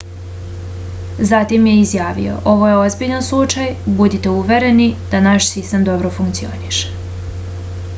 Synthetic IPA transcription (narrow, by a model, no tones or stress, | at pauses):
zat̪imje̞izjaːʋḭo̞̰ʔo̞ʋo̞je̞o̞zbiʎanslˠut͡ʃajbud̪it̪e̞uʋe̞ɾe̞nid̪̥anaʃsist̪e̞md̪o̞bɾo̞fuŋkt̪sio̞̰niʃe̥